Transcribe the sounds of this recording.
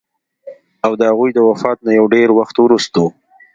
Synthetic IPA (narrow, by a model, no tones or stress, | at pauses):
awd̪əhaɣujd̪əwafɑt̪̚najawɖeɾwaxt̪wɾust̪o